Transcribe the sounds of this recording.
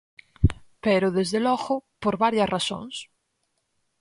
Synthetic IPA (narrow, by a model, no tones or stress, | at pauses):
peɾoðezðelɔɣopoɾβaɾjasrasõ̰ŋs